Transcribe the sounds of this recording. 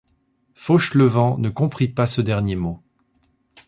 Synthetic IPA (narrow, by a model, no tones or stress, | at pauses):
foʃləvɑ̃nəkɔ̃pχipasəd̪ɛʁnjemo